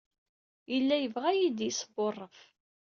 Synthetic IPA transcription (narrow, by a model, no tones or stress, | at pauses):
jəlːæjəvʁæjid̪jisəborˤːəf